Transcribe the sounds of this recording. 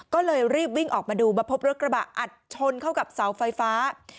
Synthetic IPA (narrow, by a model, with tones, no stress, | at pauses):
kɔː˥˩lɤː˧jɾiː˥˩p̚wi˥˩ŋʔɔː˨˩k̚maː˧duː˧ba˧pʰo˦˥p̚ɾo˦˥kɾa˧ba˨˩ʔʔa˨˩t̪̚t͡ɕʰo˧nkʰa˥˩wka˨˩p̚sa˩˦wfa˧jfaː˦˥